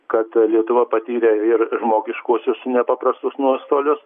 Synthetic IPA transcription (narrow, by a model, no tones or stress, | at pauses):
kɐt̪lʲiɛt̪ʊʋɐpɐt̪ʲiːɾʲeɪrʒmoːɡʲɪʃkuɔsʲʊsnʲɛpɐpɾɐst̪ʊsnuɔst̪oːlʲʊs